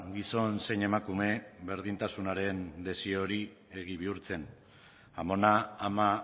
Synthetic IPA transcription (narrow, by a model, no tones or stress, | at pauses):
ɡiso̞nse̞jne̞makume̞βe̞ɾðint̪asunaɾe̞nd̪e̞sio̞ɾi | e̞ɣiβ̞iuɾt͡se̞n | amo̞naːma